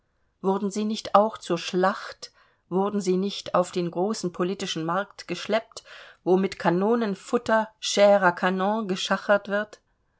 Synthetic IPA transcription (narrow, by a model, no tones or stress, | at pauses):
vʊɐdn̩ziːnɪçtaʊxt͡suːɐʃlaχt | v̥ʊɐdn̩ziːnɪçtaʊfd̥eːnɡʁoːsn̩pʰoliːtɪʃn̩maɐktɡ̥əʃlɛp̚tvoːmɪtkʰanoːnənfʊtɐʃɛːʁɐkʰanɔ̃ɡəʃaχɐtv̥ɪɐt